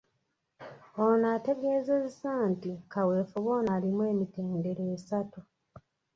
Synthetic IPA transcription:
onate̞ɡe̞ːze̞zzaːntikawe̞ːfuβo̞ːnaːlimwe̞ːmite̞ːnde̞ɾeːsatu

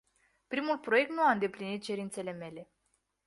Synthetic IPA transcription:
pɾimulpɾo̞je̞k̚t̪nuaɨnd̪e̞plinit̪̚t͡ʃe̞ɾint̪se̞le̞me̞le̞

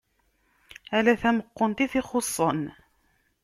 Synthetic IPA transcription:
ælæθæməqːont̪iθɪχosˤːən

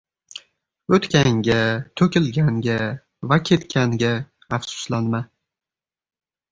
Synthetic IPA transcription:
ɵt̪kʲʰaŋɡʲat̪ʰɵkʲɪlɡʲaŋɡʲa | vakʲʰe̞t̪kʲʰaŋɡʲaː | fsʊ̥slanma

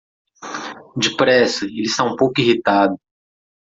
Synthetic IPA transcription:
d͡ʒɪpɾɛsɐelɪst̪aũpowkʊihit̪ad̪ʊ

